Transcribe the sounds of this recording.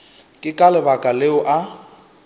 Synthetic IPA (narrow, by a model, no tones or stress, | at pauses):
kʼɪkʼalɪbakʼaleʊʔa